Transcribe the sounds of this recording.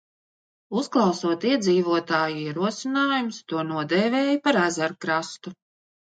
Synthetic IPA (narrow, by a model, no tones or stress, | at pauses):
usklˠɑwsuɔt̪iɛd̪ziːvuɔt̪aːjuiɛɾuɔsinaːjumst̪uɔnuɔd̪ɛːveːjipaɾæzaɾkɾast̪u